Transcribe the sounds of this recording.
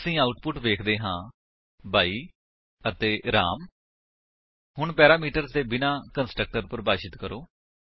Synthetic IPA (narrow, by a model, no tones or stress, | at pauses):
əsĩːaːʊʈpʊʈʋeːkʰd̪eːɦãː | baːiː | ət̪eːɾa̰ːm | ɦʊɳpɛːɾaːmiːʈəɾzt̪eːbɪnãːkənsʈɾək̚ʈəɾpəɾbaːʃɪt̪kəɾoː